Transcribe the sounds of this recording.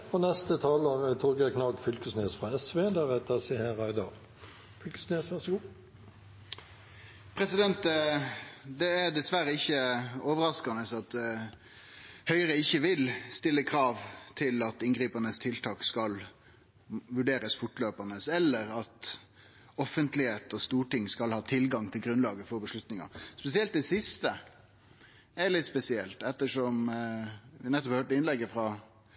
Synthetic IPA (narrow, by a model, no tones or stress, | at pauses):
fɔnɛst̪ət̪ʰɑlɔət̪ʰʊɾɡəkʰnɑɡfʏlkəsneːsfʁɑɛsʋeːd̪æʁɛt̪əsɛheʁæɪd̪ɑʁ | fʏlkə̥sneːsʋæʁsɔɡuː | pʰɾɛsɪd̪ɛnt̪ | d̪ɛæd̪ɛsʋæɾəɪçːəoːʋəɾɑskɑnəsɑt̪ | hœʏɾəɪçːəʋɪlst̪ɪlːəkʰɾɑːʋt̪ʰɪlɑt̪ɪnɡɾiːpənəst̪ʰɪlt̪ʰɑːkskɑl | ʋʉɖeːɾəsfʊʈløːpɑnəsɛlːəɾɑt̪ | ɔfːənt̪lɪheːt̪ɔst̪uːʈɪŋskɑlhɑːt̪ʰɪlɡɑŋt̪ʰɪlɡɾʉnlɑːɡəfɔɾbəʂlʉt̪nɪŋɑ̰spɛsɪɛlt̪̚d̪ɛsɪst̪ə | ɛɭɪt̪spɛsɪɛlt̪ɛt̪ːəʂɔm | ʋɪnɛt̪ːɔphøːʈəɪnlɛɡːəfɾɑ